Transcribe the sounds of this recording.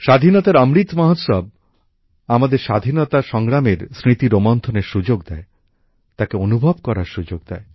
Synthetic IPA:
ʃad̪ʱinɔt̪aɾəmɾit̪maɦot̪sɔb̚ | amad̪eɾʃad̪ʱinɔt̪aʃɔŋɡɾameɾsɾit̪iɾomɔnt̪ʰoneɾʃud͡ʑoɡd̪ɛe | t̪akeonubʱɔbkɔɾaɾʃud͡ʑoɡ̚d̪ɛe

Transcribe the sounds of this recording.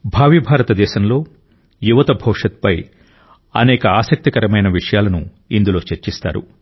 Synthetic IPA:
bʱaːʋibʱaːɾɐt̪ɐd̪ɛːʃɐmlo̞ː | juʋɐt̪ɐbʱɐwʂɐt̪̚pɐj | ɐ̰nɛːkɐaːsɐk̚t̪ikɐɾɐmɐjnɐʋiʂɐjaːlɐnu | ind̪ulo̞ːt͡ʃeɾt͡ʃist̪a̰ːɾṵ

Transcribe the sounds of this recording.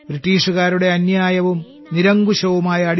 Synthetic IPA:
b̥ɾiʈːiːʂuɣaːɾuɽe̞ɐnjaːjɐʋum | niɾɐŋɡuɕɐʋumaːjɐːɽ

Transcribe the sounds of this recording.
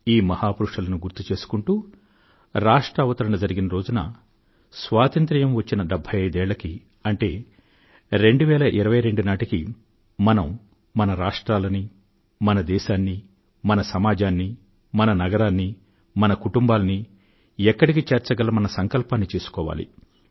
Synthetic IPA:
iːmɐhaːpuɾuʂʈɐlɐnuɡuɾt̪ːut͡ʃe̞ːsu̥kuɳʈuː | ɾaːʂʈɾɐʋɐt̪ɐɾɐnɐd͡ʒɐɾiɡinɐɾo̞ːd͡ʒunɐ̰ | sʋaːt̪ɐnt̪ɾijɐmʋɐt͡ʃːinɐɖɛbʱːɐjɐjd̪ɛːɭlːɐki | ɐɳʈe̞̰ː | ɾe̞ɳɖuʋɛːlɐʔiɾɐʋɐjɾe̞ɳɖunaːʈiki | mɐnɐmː | ɐnɐɾaːʂʈɾaːlɐni | mɐnɐd̪ɛːʃaːnːi | mɐnɐsɐmaːd͡ʒaːnːi | mɐnɐnɐɡɐɾaːnːi | mɐnɐkuʈumbaːlɐni | ɛkːɐɽik̬it͡ʃeːɾt͡ʃɐɡɐlɐmɐnɐsɐŋkɐlpaːnːit͡ʃe̞ːsu̥kɔːʋa̰ːlḭ

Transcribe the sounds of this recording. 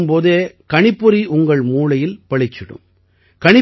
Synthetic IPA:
mpoːðeːkɐɳɪpːɯɾiʔʊŋɡɐɭmuːlɐjɪlpɐɭɪt͡ʃːɪɽɯ̰m | kɐɳɪ

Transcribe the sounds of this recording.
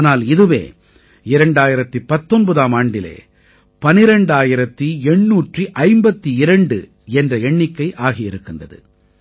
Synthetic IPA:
naːlɪðɯʋḛː | ɪɾɐɳɖaːjɪɾɐt̪ːipɐt̪ːɔnbɐðaːmaːɳɖɪlḛː | pɐnɪɾɐɳɖaːjɪɾɐt̪ːiɛɳːuːʈriʔɐɪmbɐt̪ːiɪɾɐɳɖɯ̰ | ɛndrɐɛɳːɪkːɐɪʔaːɣɪjɪɾɯkːɪndrɐðɯ̰

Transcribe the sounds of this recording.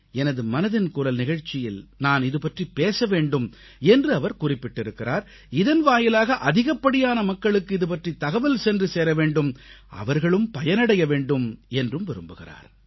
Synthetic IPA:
ɛnɐðɯmɐnɐðɪnkʊɾɐlnɪɣɐɻt͡ʃːɪjɪlnaːnɪðɯpɐʈripeːsɐʋeːɳɖɯm | ɛndrɯɐʋɐɾkʊrɪpːɪʈːɪɾɯkːɪraːɾ | ɪðɐnʋaːjɪlaːɣɐʔɐðɪɣɐpːɐɽɪjaːnɐmɐkːɐɭɯkːɯɪðɯp̬ɐʈrit̪ɐɣɐʋɐlsɛndrɯseːɾɐʋeːɳɖɯm | ɐ̰ʋɐɾɣɐɭɯmpɐjɐnɐɽɐjɐʋeːɳɖɯmɛndrɯmʋɪɾɯmbɯɣɪ̰ra̰ːɾ

